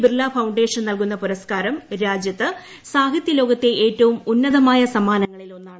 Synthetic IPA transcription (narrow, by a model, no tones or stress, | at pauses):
bɾɨlaːfɐwɳɖe̞ːʂɐnnɐlkun̪ːɐpuɾɐskaːɾɐmɾaːd͡ʑjɐt̪ːɨ | saːɦɐt̪jɐlo̞ːɣɐt̪ːeʔeːtːɐʋumunːɐðɐmaːjɐsɐmaːnɐŋːɐɭilo̞nːaː